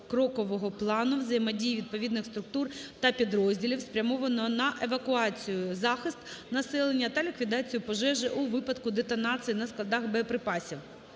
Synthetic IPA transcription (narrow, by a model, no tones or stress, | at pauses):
kɾɔkɔʋɔɦɔplˠɑnʊwzɐjmɐdʲijʋʲid̪̚pɔʋʲid̪nɪxst̪ɾʊk̚t̪urt̪ɐpʲid̪ɾɔzʲdʲilʲiwspɾʲɐmɔʋɐnɔnɐʔeʋɐkʊɑt͡sʲijʊzɑxɪst̪nɐsɛlˠenʲːɐt̪ɐlʲikʋʲid̪ɑt͡sʲijʊpɔʒɛʒɪʔuʋɪpɐd̪kʊd̪et̪ɔnɑt͡s̪ʲɨjinɐsklˠɐd̪ɑxbepɾɪpɑsʲiw